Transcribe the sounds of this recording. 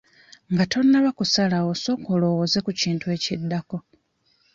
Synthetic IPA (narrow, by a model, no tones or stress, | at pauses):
ŋɡato̞nːaβakusalaoso̞ːkolo̞woze̞kuciːntwe̞ːcidːako̞